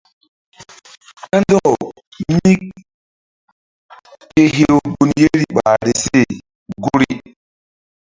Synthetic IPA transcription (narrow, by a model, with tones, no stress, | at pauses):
ka˦ndɔ˦˨ | mi˦k̚ | ke˦ɦe˦wɡu˨nje˦ɾi˨ɓa˨ɾi˨se˦˨ | ɡu˦ɾi˦